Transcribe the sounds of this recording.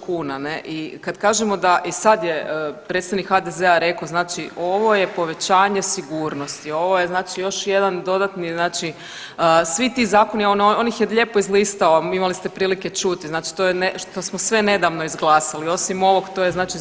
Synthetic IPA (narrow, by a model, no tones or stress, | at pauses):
kuːnane̞ʔikad̪kaːʒemo̞d̪aʔisad̪jeəpɾet̪st̪aʋnikxad̪ezeaɾe̞koznaːt͡ʃiʔo̞ʋo̞je̞po̞ʋe̞t͡ɕaːɲe̞siɡuːɾno̞st̪io̞ʋo̞jeznaːt͡ʃijo̞ʃje̞d̪and̪o̞d̪at̪niznaːt͡ʃi | əsʋit̪iːzaːko̞niononixjeʎe̞ːpo̞izliːst̪aoimalist̪epɾiːlike̞t͡ʃut̪iznaːt͡ʃi̥t̪ojeneʃt̪osmosʋe̞ne̞d̪aʋno̞izɡlˠaːsalio̞simo̞ʋoɡt̪ojeznaːt͡ʃi